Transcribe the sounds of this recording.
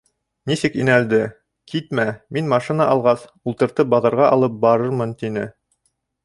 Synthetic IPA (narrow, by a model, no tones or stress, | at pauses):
nisɘkinæld̪ɘ | kʰit̪mæminmɑʃinɑʔɑlˠʁɑsulˠt̪ɤ̆ɾt̪ɤp̚bɑðɤ̆ɾʁɑʔɑlˠɤp̚bɑɾɤɾmɤnt̪inɘ